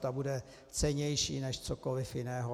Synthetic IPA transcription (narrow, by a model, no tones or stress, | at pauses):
t̪abudɛ | t͡sɛɲɛjʃiːnɛʃt͡sokolɪfjɪnɛːɦo